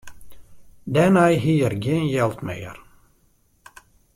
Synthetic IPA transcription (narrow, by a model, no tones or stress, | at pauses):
dɛnajɦiːərɡjenjɛlˠt̪mḛːə̰r